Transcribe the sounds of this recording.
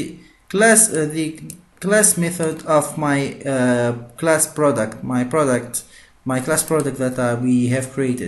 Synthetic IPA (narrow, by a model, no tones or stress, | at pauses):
klæsði | klæsmɛθədɔvmaɪ | klæspɹɔdəktmaɪpɹɔdək̚t | maɪklaspɹɔdək̚tðætwiɦæv̥kʰɹietɪd